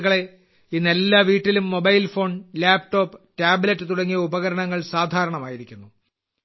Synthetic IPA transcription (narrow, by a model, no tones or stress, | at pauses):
ɣɐɭe̞ | inɐlːaʋiːʈːilumːobɐjlfo̞ːɳlaːpʈo̞ːpːɨ̥taːblɐtːɨt̪uɽɐŋːijɐubɐɣɐɾɐɳɐŋːɐɭsaːd̪ʱaːɾɐɳɐmaːjiɾikʲːunːu